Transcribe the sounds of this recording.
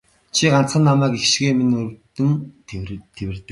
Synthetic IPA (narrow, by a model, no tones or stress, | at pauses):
t͡ɕʰiɢan̥t͡sχə̆nːamæːkexʃɣeːminɵɾ̆wt̪ɘ̆n | t̪ʰewɘ̆rt̪ɘ̆k̚